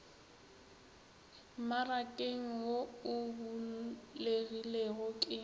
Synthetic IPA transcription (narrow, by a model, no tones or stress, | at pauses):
marakʼeŋ̩woʊbuleɣileɣʊkʼɪ